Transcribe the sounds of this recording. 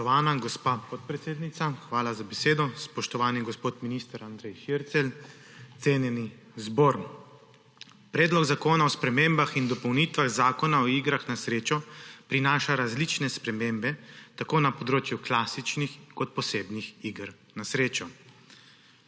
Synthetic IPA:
ɔaːnaɡɔspaːpɔt̪̚pɾɛt̪seːd̪nit̪saxʋaːlazabɛseːd̪ɔspɔʃt̪ɔʋaːniɡɔspoːt̪minist̪əɾand̪ɾɛjʃiɾt̪sɛl | t̪seːnjɛni | zboːɾ | pɾɛːd̪lɔɡzakoːnaɔspɾɛmeːmbaxind̪ɔpɔwnit̪ʋaɣzaːkɔnaɔiːɡɾaxnasɾeːt͡ʃɔpɾinaːʃaɾazlit͡ʃnɛspɾɛmeːmbɛt̪akoːnapɔd̪ɾoːt͡ʃjuklaːsit͡ʃnixkɔt̪̚pɔseːbnixiːɡɾ | nasɾeːt͡ʃɔ

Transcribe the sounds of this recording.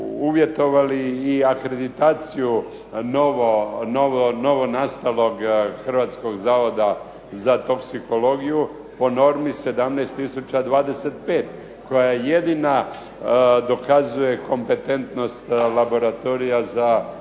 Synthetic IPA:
uʋje̞t̪o̞ʋaliːakɾe̞d̪it̪aːt̪siju | noʋonoʋono̞ʋo̞nast̪alo̞ɡxr̩ʋat̪sko̞ɡzaːʋo̞d̪a | zat̪o̞ksiko̞lo̞ɡiju | po̞no̞ɾmise̞d̪amnejst̪ːisut͡ɕad̪ʋaːd̪e̞se̞t̪̚pe̞ːt̪ | ko̞jajed̪ina | d̪o̞kazuje̞kʰo̞mpe̞t̪e̞nt̪no̞st̪labo̞ɾat̪o̞ɾijaza

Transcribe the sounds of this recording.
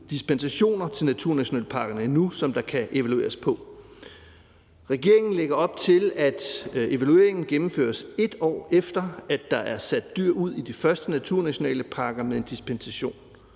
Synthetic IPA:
d̥isb̥ensæɕo̝̰ːnɐt͡sʰe̝lnæt͡sʰuɐ̰næɕo̝nɛ̰ːləpʰɑ̈ːɡ̥ɐnəinusɒ̽md̥ɑ̈kʰæʔe̝ʋælue̝̰ːɐspʰɒ̽ | ʁɛɡ̥e̝ɐ̰e̝ŋn̩leɡ̥ɐɒ̽b̥̚t͡sʰe̝læd̥e̝ʋælue̝ɐe̝ŋn̩ɡ̥emm̩fø̰ːɐse̝d̥ɒ̰ːefd̥ɐædːɑ̈ʔæɐsæd̥ːyɐ̰uð̞̰ˠid̥ifɶɐsd̥ənæt͡sʰuɐ̰næɕo̝nɛ̰ːləpʰɑ̈ɡ̥ɐmeðˠe̝nd̥ispensæɕo̝̰ːn

